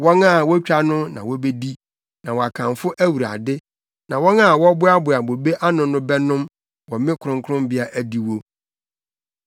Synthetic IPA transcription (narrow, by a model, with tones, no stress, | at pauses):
wɔ̃˦na˦˨wɔ˦t͡ɕᶣa˦nʊ̃˦nã̰˨wɔ˦be˦di˦ | nã˨wɔ˨a˨kʰã˨mfʊ˦ʔæ˦wu˨ɾa̰˨dɪ˦ | nã˨wɔ̃˦na˦˨wɔ˦bʊ˦a˦bʊ˨a˨bo˨be˦ʔa˦nʊ̃˨nʊ̃˦bɛ˦nʊ̃˦m | wɔ˨mɪ̃˦kʰʊ˨ɾʊ̃˦ŋkʰʊ˦ɾʊ̃˦mbɪ˦a˨ʔæ˦di˨wo˦